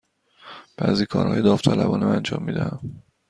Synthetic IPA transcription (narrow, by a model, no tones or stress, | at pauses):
b̥æːziːkʰɒ̰ːɾhɒ̰ːjed̪ɒːft̪ʰælæbɒːnæmænd͡ʒɒ̰ːmːiːd̪æhæm